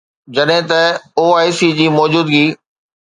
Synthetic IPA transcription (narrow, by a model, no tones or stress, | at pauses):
d͡ʑɐɗɦɪ̃t̪ɐoːaːisid͡ʑiːmɔːd͡ʑuːd̪ɡiː